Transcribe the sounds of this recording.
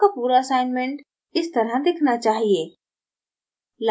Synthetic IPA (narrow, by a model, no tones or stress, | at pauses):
apuːɾaɐsaːɪnmẽɳʈ | ɪst̪ɐɾad̪ekʰnat͡ʃaːɦieː | l